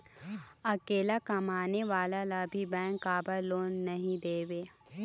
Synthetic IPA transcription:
ɐkeːlakɐmaːneʋaːlalabʱibɛ̃ːŋkːaːbəloːnːɐɦĩd̪eːʋeː

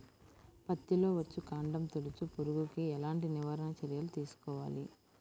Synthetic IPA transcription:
pɐt̪ːilo̞ːʋɐt͡ʃːukaːɳɖɐmt̪olut͡ʃupuɾuɡukiɛlaːɳʈiniʋaːɾɐnɐt͡ʃɐɾjɐlut̪iːsu̥kɔːʋa̰ːli

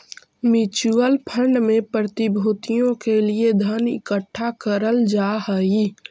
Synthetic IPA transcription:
mɪt͡ʃuəlpʰə̃ɳɖmẽpɾɾət̪ɪbʱoːt̪ijõkelied̪ʱənɪ̰kəʈʰːakəɾəld͡ʒaːɦəi

